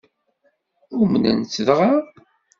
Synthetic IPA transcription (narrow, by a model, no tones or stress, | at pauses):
umənæ̰nt͡sːðʁa